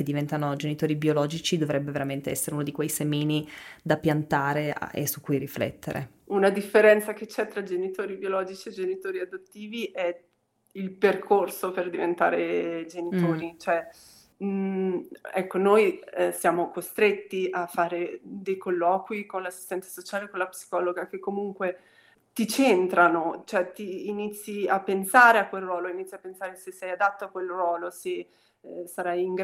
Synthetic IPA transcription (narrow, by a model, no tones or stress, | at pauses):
ked̪ːivɛnt̪anod͡ʒenit̪oːɾibiolɔːd͡ʒit͡ʃid̪ovɾɛbːeveɾament̪eɛsːeɾeunod̪ikwejsemiːnid̪apjant̪aːɾḛḛsukːujɾiflɛ̰t̪ːḛɾʔḛ | unad̪ifːeɾɛnt̪saket͡ʃːɛt̪ːɾad͡ʒenit̪oːɾibiolɔːd͡ʒit͡ʃied͡ʒenit̪oːɾiad̪ot̪ːiːviʔɛ | ilperkʰorsoperd̪ivent̪a̰ːɾed͡ʒenit̪oːɾit͡ʃoɛ | ɛkːonojsjaːmokost̪ɾet̪ːiʔafːaːɾed̪ejkolːɔːkwikonlasːi̥st̪ɛnt̪ḁsot͡ʃaːlekonlapsi̥kɔːloɡak̟ekːomuŋkwe | t̪it͡ʃent̪ɾanot͡ʃoɛt̪iːnit̪sːiapːensaːɾeakːwelrwɔːloinit̪sjiapːensaːɾesesːɛjad̪at̪ːoakːwelrwɔːlose | saɾajiŋɡ